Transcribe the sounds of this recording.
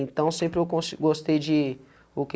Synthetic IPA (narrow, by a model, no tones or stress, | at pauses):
ẽt̪ɐ̃w̃sẽmpɾɪewkõsɡost̪ejd͡ʒɪ | ʊk